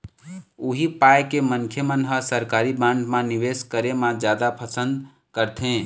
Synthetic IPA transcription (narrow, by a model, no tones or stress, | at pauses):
uɦipajkemənkʰjəmənɦəsəɾkaɾibãɳɖmãniʋeskəɾemãd͡ʒjad̪apʰəsə̃nd̪ | kəɾt̪ʰẽ